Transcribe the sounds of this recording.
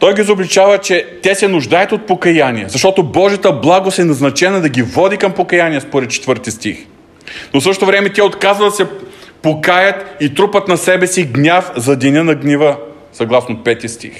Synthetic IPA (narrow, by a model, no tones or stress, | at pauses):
t̪ɔjɡiizoblʲit͡ʃavət͡ʃɛt̪ʲɛsɛnʊʒd̪ajət̪ot̪̚pokɐjanʲiɛzɐʃt̪ɔt̪obɔʒɐt̪əblˠaɡosɛnɐznɐt͡ʃɛnɐd̪ɐɡʲivɔd̪ikɐmpokɐjaniɛspoɾɛt̪̚t͡ʃɛ̥t̪vɤɾt̪ist̪ix | nosɤʃt̪t̪ovɾɛmɛt̪ʲɛot̪kazvəd̪ɐsɛpokajət̪it̪ɾupət̪nɐsɛbɛsiɡnʲafzɐd̪inʲənɐɡnʲivə | sɐɡlˠasnopɛt̪ist̪ḭx